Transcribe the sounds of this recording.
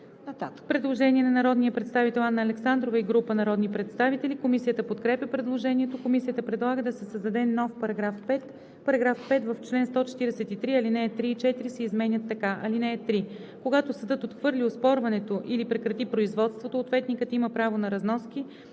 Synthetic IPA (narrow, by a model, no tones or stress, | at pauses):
t̪at̪pɾɛd̪lˠoʒɛniɛnɐnɐɾɔd̪nijəpɾɛt̪st̪avit̪ɛlˠanːəːlɛksand̪ɾovəiɡɾupənɐɾɔd̪nipɾɛt̪st̪avit̪ɛlikomisijət̪əpot̪kɾɛpjəpɾɛd̪lˠoʒɛniɛt̪okomisijət̪əpɾɛd̪lˠaɡəd̪ɐsɛsəzd̪ɐd̪ɛnɔfpɐɾɐɡɾafpɛt̪ | pɐɾɐɡɾafpɛt̪vəft͡ʃlɛnst̪ɔt͡ʃɛ̥t̪iɾɛsɛt̪it̪ɾiɐlinɛːt̪ɾiːt͡ʃɛt̪iɾisɛizmɛnʲət̪ːɐkaʔɐlinɛːt̪ɾi | koɡat̪osɐd̪ɤt̪ot̪xvɤɾlʲiospɔɾvɐnɛt̪oʔilipɾɛkɾɐt̪ipɾoizvɔt̪st̪vot̪oːt̪vɛt̪nʲikət̪iməpɾavonɐɾɐznɔski